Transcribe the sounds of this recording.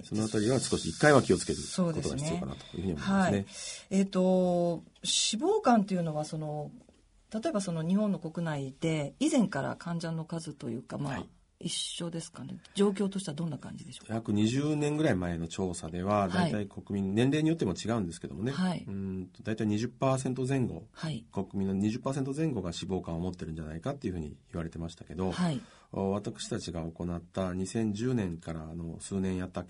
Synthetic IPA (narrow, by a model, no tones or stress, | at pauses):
so̞noat̪aɾʲiβasɨ̥ko̞ɕiikːaiβakʲio̞t͡sɨ̥ke̞ɾɯ̟so̞ːdk̪oeoa̰inɨioka̰a̰t̪o̥jɯ̰ːɯ̟ɲiommːainee̞t̪o̞ | ɕibo̞ːkãnt̪e̞iɯ̟no̞βaso̞no̞ | t̪at̪o̞e̞baso̞no̞ɲ̟ihõnːo̞ko̞kɯ̟naid̪e̞izẽ̞ŋkaɾa̰kʰãɲ̟d͡ʑãnːo̞kazɨt̪o̞jɯ̟̰ːkamaa | iɕːo̞d̪e̞sɨ̥kane̞̰d͡ʑo̞ːk̬ʲo̞ːt̪o̞ɕi̥t̪ead̪onːakã̰ɲ̟d͡ʑid̪e̞ɕojakɯ̟ɲ̟iʑɨːnẽ̞ŋɡɯ̟ɾaimae̞no̞t͡ɕo̞ːsad̪e̞βad̪aiiaiko̞kɯ̟mʲĩnnẽ̞nɾe̞ːɲ̟ijo̞t̪ːe̞mo̞t͡ɕiɡaɯ̟̃nd̪e̞sɨ̥ke̞d̪o̞̰mo̞ne̞aiɯ̃t̪o̞d̪ait̪aiɲ̟iʑɨpːaːs̬ẽ̞nt̪̬o̞zẽ̞ŋɡo̞̰haiko̞kɯ̟mʲĩnːoɲ̟iʑɨpːaːs̬e̞nt̪ozẽ̞ŋɡo̞ɡaɕibo̞ːkãɰ̃omo̞t̪ːe̞ɾɯ̟̃ɲ̟d͡ʑanaikat̪ːe̞iɯ̟ɯ̟ːɲ̟ḭːβaɾe̞t̪e̞maɕi̥t̪ake̞d̪o̞hai | βat̪akɯ̟̥ɕi̥t̪at͡ɕiɡaoko̞nat̪ːaɲ̟isẽ̞ɲ̟d͡ʑɨːnẽ̞ŋkaɾano̞sɨːnẽ̞ɰ̃jat̪ːa